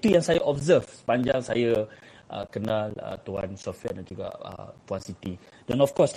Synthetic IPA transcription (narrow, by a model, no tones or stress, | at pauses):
t̪ujãŋsajaʔɔbzəfsə̥paɲd͡ʒaŋsaja | ʔə̰kənãlə̰t̪ua̰nsɔfwɛ̰dãnd͡ʒuɡa̰ʔə̰puansit̪i | dɛ̃nɔfkɔs